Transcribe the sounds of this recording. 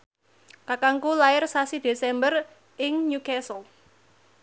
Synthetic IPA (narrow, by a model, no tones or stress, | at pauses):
kakaŋkulaɪrsasid̪̥e̤sɛmbər | ɪŋɲukɛsəl